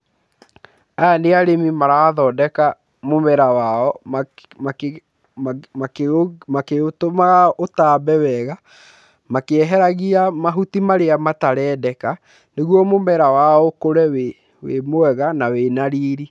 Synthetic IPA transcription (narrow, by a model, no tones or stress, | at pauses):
aneaɾemimaɾaðɔdɛka | momɛɾawaɔmma | amakeotomaɣaotaːbɛwɛɣa | makeɛɦɛɾaɣiamaɦutimaɾeamataɾɛːdɛka | neɣwɔmomɛɾawaɔkoɾɛwe | wemoɛɣanawenaɾiɾi